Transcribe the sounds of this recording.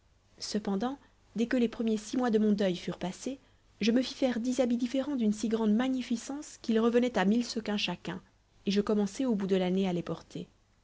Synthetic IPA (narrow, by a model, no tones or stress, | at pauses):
səpɑ̃d̪ɑ̃ | d̪ɛkəlepχəmjesimwad̪əmɔ̃d̪œjfyʁpase | ʒəməfifɛʁd̪izabid̪ifeʁɑ̃d̪ynsiɡʁɑ̃d̪maɲifisɑ̃skʲilʁəvənɛt̪amilsəkɛ̃ʃakʲɛ̰̃ | eʒəkɔmɑ̃sɛobud̪əlanealepɔʁt̪ʰe